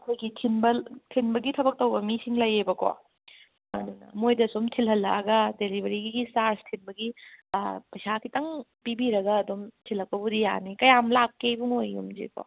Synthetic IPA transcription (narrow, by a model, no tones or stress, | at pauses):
ɐkʰojɡitʰinbɐtʰinbɐɡitʰɐbɐk̚tɐwbɐmisiŋlɐjebɐko̰ | mɐ̰nunɐ̰mojdɐsomtʰilɦɐlːɐ̰ɡɐdelibɐɾiɡiɡisaɾstʰinbɐɡi | pʰɐjsakʰitɐŋpibiɾɐɡɐːdomtʰilːɐk̚pɐbudija̰nikɐjamlakːebuŋojṵmd͡ʒḛko̰